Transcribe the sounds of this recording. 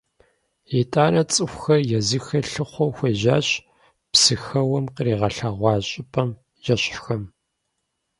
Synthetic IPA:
jetʼaːnɐt͡sʼɨxʷxɐrjɛzɨxɐɬɨχʷowxʷeːʑaːɕ | psɨxɐwɐmqəɾiːʁɐɬɐʁʷɑːɕʼɪpʰʼɐm | jɛɕħxɐm

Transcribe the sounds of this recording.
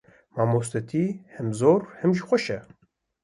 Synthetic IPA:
maːmos̬t̪et̪ʰihɛmzoːɾhɛmʒixʷɔʃɛ

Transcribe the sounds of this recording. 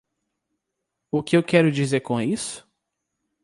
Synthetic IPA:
ʊkɪewkɛɾʊd͡ʒizeɾkõisʊ̥

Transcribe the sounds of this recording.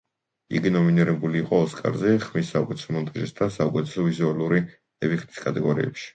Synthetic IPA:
ḭɡinɔminiɾɛbuliːqʼɔːskʼa̰ɾzɛχmisːaukʼɛt̪ʰɛsɔmɔnt̪ʼaʒisd̪asaukʼɛt̪ʰʼɛ̥sɔvizualˠuɾi | ɛbiχt̪i̥skʼat̪ʼɛɡɔɾḭɛ̰pʃi̥

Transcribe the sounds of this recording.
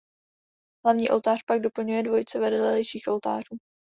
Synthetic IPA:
ɦlavɲiːʔo̞lt̪aːr̥paɡ̚do̞pl̩ɲujɛdvo̞jt͡sɛvɛdɛlɛlɛjʃiːxʔo̞lt̪a̰ːr̝uː

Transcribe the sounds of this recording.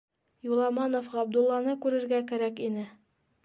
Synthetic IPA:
julˠɑmɑnofʁɑɑb̚d̪ulˠːɑnɤkʉɾɘ̆ɾɡækæɾækinɘ

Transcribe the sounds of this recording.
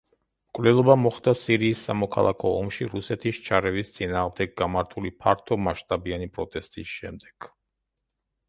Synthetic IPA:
mkʼvlɛlˠɔbamɔχd̪asiɾiːsːamɔkʰa̰lˠa̰kʰɔɔmʃiɾusɛt̪ʰist͡ʃʰaɾɛvist̪sʼinaːʁmd̪ɛɡɡamaɾt̪ʰulipʰaɾt̪ʰɔmaʃt̪ʼabianipʼɾɔt̪ʼɛst̪ʼisʃɛmd̪ɛɡ̥

